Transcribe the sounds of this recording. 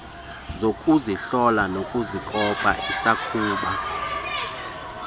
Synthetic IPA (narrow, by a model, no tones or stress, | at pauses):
zokʼuziɬɔlanokʼuzikʼɔpʼa̰ʔisakʰuːɓa